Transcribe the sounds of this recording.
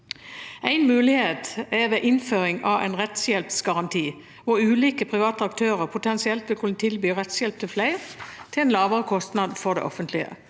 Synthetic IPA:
ʔæɪnmʉːlɪheːt̪ɛʋeːʔɪnføːʁɪŋɑʋæ̰ɪnʁɛt̪sjɛlpsɡɑʁɑnt̪ʰiː | ʋʊʁʉːliːkəpʰʁɪʋɑːt̪əɑk̚t̪ʰøːʁəʁpʰʊt̪ʰɛnsɪɛlt̪ʋɪlkʰʉnət̪ʰɪlbyːʁɛt̪sjɛlp̚t̪ʰɪlflæɪʁt̪ʰɪlɛɪnlɑːʋəʁəkʰɔst̪nɑd̪fɔʁd̪ɛ̰ʔɔ̰fənt̪ʰlɪə̰

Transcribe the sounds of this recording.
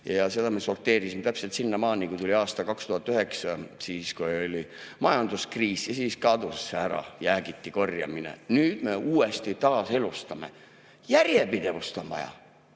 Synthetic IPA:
jɑse̞d̪ɑmeso̞rt̪ːˑeːɾisimt̪æpse̞lt̪sinːɑmɑːnikut̪ulʲiɑːst̪ɑkɑkst̪uhɑt̪ːˑyɦe̞ksɑsiːskuolʲimɑjɑnd̪̥uskriːsjɑsiːskɑd̪usːeæɾɑ̰jæːɡ̥it̪ːiko̞rjɑ̰minḛnyːd̪̥me̞uːe̞st̪it̪ɑːse̞lust̪ɑme̞̰ | jærje̞pid̪e̞vust̪o̞nvɑ̰jɑ̰

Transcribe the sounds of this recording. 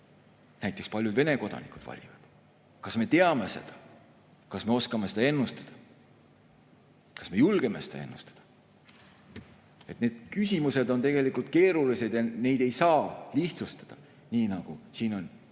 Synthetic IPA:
næjt̪ːˑe̞kspɑlʲjud̪ve̞ne̞ko̞d̪̥ɑ̰nikud̥̪vɑ̰lʲivɑd̪̥ | kɑsme̞t̪e̞ɑme̞se̞̰d̪̥ɑ̥ | kɑsme̞o̞skɑme̞sed̪ɑe̞nːust̪ɑ̥d̪̥ɑ | kɑsme̞julɡe̞me̞sed̪ɑ̰e̞̰nːust̪ɑ̥d̪̥ɑ̥ | e̞t̪ne̞ːd̪̥kysʲimuse̞d̪o̞nt̪e̞ɡ̥e̞likːˑult̪̚ke̞ːɾulise̞d̪̥jɑne̞jd̪̥e̞jsɑːliht̪sust̪ɑ̥d̪̥ɑ | niːnɑɡ̥usiːno̞n

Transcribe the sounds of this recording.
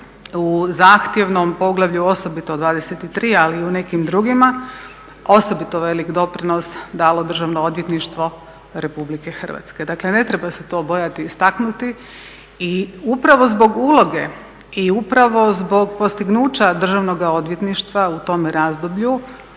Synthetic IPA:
uzaːxt̪je̞ʋnompo̞ɡlˠaʋʎuo̞so̞bit̪od̪ʋaːd̪e̞set̪it̪ɾiːaliːune̞kimd̪ɾuɡima | o̞so̞bit̪oʋe̞likd̪o̞pɾinosd̪aːlo̞d̪r̩ʒaʋnood̪je̞t̪niʃt̪ʋo̞ | ɾe̞publike̞xər̩ʋa̰t̪ske̞d̪akle̞ne̞t̪ɾe̞base̞t̪o̞ːbo̞jat̪ist̪aknut̪i | iupɾaʋo̞zbo̞ɡuːlˠo̞ɡe̞ | iupɾaʋo̞zbo̞ɡpo̞st̪iɡnuːt͡ɕad̪r̩ʒaʋno̞ɡao̞d̪ʋje̞t̪niʃt̪ʋaut̪o̞mɾaːzd̪o̞bʎu

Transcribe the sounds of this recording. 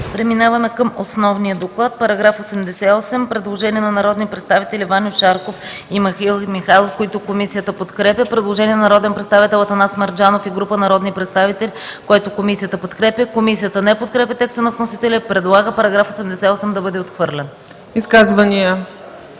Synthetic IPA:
pɾɛminavɐmɛkəmosnɔvnijəd̪oklˠat̪̚pɐɾɐɡɾafosɛmd̪ɛsɛɔsɛmpɾɛd̪lˠoʒɛniɛnɐnɐɾɔd̪nipɾɛt̪st̪avit̪ɛlʲivanʲoʃaɾkofimɐxilˠmixalˠofkoit̪okomisijət̪əpot̪kɾɛpʲjəpɾɛd̪lˠoʒɛniɛnnɐɾɔd̪ɛnpɾɛt̪st̪avit̪ɛlˠɐt̪ɐnasmɐɾd͡ʒanofiɡɾupənɐɾɔd̪nipɾɛt̪st̪avit̪ɛlʲikoɛt̪okomisijət̪əpot̪kɾɛpʲəkomisijət̪ənɛpot̪̚kɾɛpʲət̪ɛkst̪ənɐvnosit̪ɛlʲɛpɾɛd̪lˠaɡəpɐɾɐɡɾafosɛmd̪ɛsɛɔsɛmd̪ɐbɤd̪ɛot̪xvɤɾlʲɛn | iskazvənijə

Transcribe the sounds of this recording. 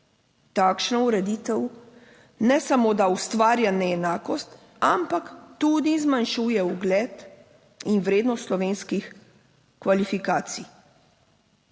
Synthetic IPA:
t̪aːkʃnɔuɾɛd̪iːt̪ɛw | nɛsamoːd̪aust̪ʋaːɾjanɛɛnaːkɔst̪ | ampakt̪ud̪izmanʃuːjɛuɡlɛːt̪ | inʋɾeːd̪nɔst̪slɔʋeːnskix | kʋalifikaːt̪si

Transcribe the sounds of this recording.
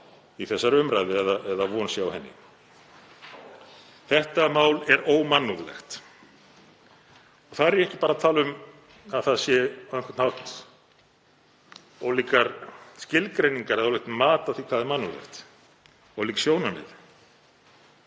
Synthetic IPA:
iθɛsːaɾʏmɾajðɪɛðaʔɛðavɔnsjaawhɛnːɪ̰ | θɛht̪amaːwlɛɾoːwmanːuðlɛ̰xt̪ | ɔɣθaðɾɛɾjɛhcɪpaːɾat̪ʰaːlʏm | aðθaðsjɛɛnkʰɔ̥t̪nhawht̪ | ɔwliːkaɾscɪlkɾejniŋkaɾɛðawlɛht̪maːt̪aθikʰv̥aːðɛɾmanːuðlɛ̰xt̪ | ɔwliːksjownamɛ̰ð

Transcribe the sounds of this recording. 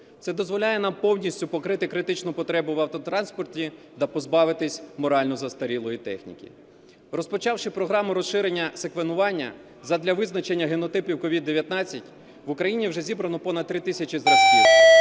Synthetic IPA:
t̪sɛd̪ɔzʋɔlʲajɛnɑmpɔwnʲisʲtʲʊpɔkɾɪt̪ɪkɾɪt̪ɪt͡ʃnʊpɔt̪ɾɛbʊʋɐwt̪ɔt̪ɾɑnspɔrtʲi | t̪ɐpɔzbɑʋɪt̪ɪsʲmɔɾɑlʲnɔzɐst̪ɐɾʲilˠɔjit̪ɛ̰xnʲḭkʲḭ | rɔspɔt͡ʃɑwʃɪpɾɔɦɾɑmʊɾɔsʃɪɾenʲːɐsekʋenʊʋɑnʲːɐ̰ | zɐd̪lʲɐʋɪznɐt͡ʃenʲːɐɦenɔt̪ɪpʲiwkɔʋʲid̪ːeʋʲjɐt̪nɑt͡sʲːɐtʲ | ʋʊkɾɐjinʲiwʒɛzʲibɾɐnɔpɔnɐd̪̚t̪ːɾɪt̪ɪsʲɐt͡ʃʲizɾɐsʲi

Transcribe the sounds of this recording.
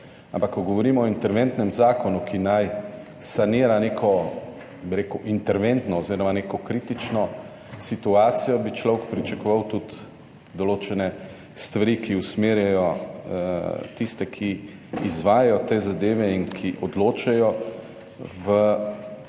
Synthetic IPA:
ãmpakːɔɡɔʋɔɾiːmɔːint̪ɛɾʋent̪nɛmzaːkɔnukʰinaj | saniːɾaneːkʰɔ | biɾeːkuʔint̪ɛɾʋent̪nɔɔziːɾɔmanekɔkɾiːt̪it͡ʃnɔ | sit̪uaːt̪sijɔbit͡ʃlɔwkpɾit͡ʃakɔʋawt̪ut̪ | d̪ɔloːt͡ʃɛnɛ | st̪ʋaɾiːkiusmeːɾjɛjɔ | t̪ist̪ɛkʰiː | zʋaːjajɔt̪eːzad̪eːʋɛinkʰiʔɔd̪loːt͡ʃɛjɔ | ʋə

